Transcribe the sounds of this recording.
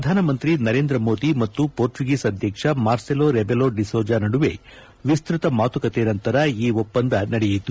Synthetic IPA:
pɾɐd̪ʱaːnɐmɐnt̪ɾinɐɾe̞ːnd̪ɾɐmoːd̪imɐt̪ːupoːɾt͡ʃuɡiːsɐd̪ʱjɐkʂɐmaːɾseloːɾebeloɖisoːd͡ʒaːnɐɽuʋe̞̰ | ʋist̪ɾit̪ɐmaːt̪ukɐt̪eːnɐnt̪ɐɾɐiːʋopːɐnd̪ɐnɐɽɛjit̪ːu

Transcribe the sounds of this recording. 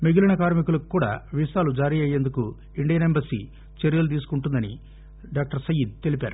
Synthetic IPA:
meɡilɐnɐkaːɾmikulɐkukːuːɽa̰ːʋisaːlud͡ʒaːɾiɐjːe̞nd̪uku | iɳɖijɐnembɐɾsḭ | t͡ʃeɾijɐlud̪̬iːs̬u̥kuɳʈund̪ɐnḭ | ɖaːk̚ʈɐɾsɐjid̪̚t̪e̞lipaːɾu

